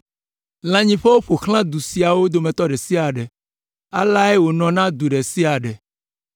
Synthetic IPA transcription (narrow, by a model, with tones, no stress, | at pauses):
l̃ã˨ɲĩ˨ɸe˦wo˦ɸo˨xl̃ã˦d̪u˨si˨a˨wo˦d̪o˨mɛ̃˨t̪ɔ˦ɖɛ˨si˦a˨ɖɛ˨ | a˦la˦ɛ˦wo˨nɔ̃˨nã˦d̪u˨ɖɛ˨si˦a˨ɖɛ˨